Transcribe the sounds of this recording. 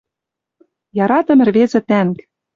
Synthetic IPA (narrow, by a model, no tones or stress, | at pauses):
jɑɾɑt̪ɤ̆mɘ̆rβezɘ̆t̪æŋk